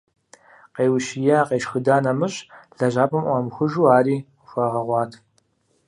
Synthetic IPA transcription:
qeːwʃijɛaqeːʃxɨdaːnɐmɨɕʼɮ̥ɐʒaːpʰʼɐmʔʷaːmxʷʊʒuːaːɾiː | xʷɐʁɐʁʷɑːtʰ

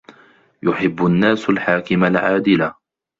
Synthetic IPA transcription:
jʊħɪbːʊnːaːsalħaːkɪmalʕaːd̪ɪla

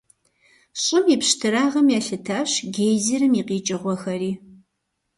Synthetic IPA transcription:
ɕʼɪmipɕtʰɨɾaːʁɐmjaːɬɨtʰaːɕɡeːjziɾɨmiːqiːt͡ʃʼɪʁʷɔxɐɾiː

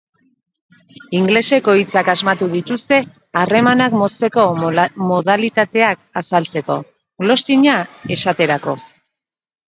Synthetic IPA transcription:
iŋɡle̞se̞ko̞it͡sakazmat̪uðit̪ust̪e̞ | are̞manakmo̞st̪e̞ko̞mo̞ðalit̪at̪e̞ak̚asalt͡se̞ko̞̰ | ɡlo̞st̪iɲae̞sat̪e̞ɾako̞

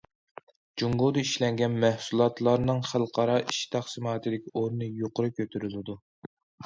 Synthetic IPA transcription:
d͡ʒuŋɡod̪ɨiʃlɛŋɡʲɛnmæhsulˠɑt̪ʰlˠɑɾnɨŋχælˠqʰɑɾɑʔiʃt̪ʰæχsɨmɑːt̪ʰɨd̪ɪkʲʰiʔoɾnɨjoqʰʊɾɨkʲʰøt̪ʰyɾylɪd̪u

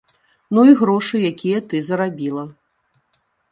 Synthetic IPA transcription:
nuiɣɾɔʂɨjakʲijɐt̪ɨzɐɾabʲilˠɐ

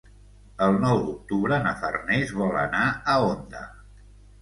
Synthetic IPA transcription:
əlˠnɔwd̪uk̚t̪uβɾənəfə̰rnezβɔlə̰naəond̪ə̰

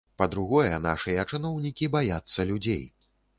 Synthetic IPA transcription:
pɐd̪ɾuɣɔjɛna̰ʂɨjɐt͡ʂɨnɔwnʲikʲibajat̪sːɐlʲud͡zʲḛj

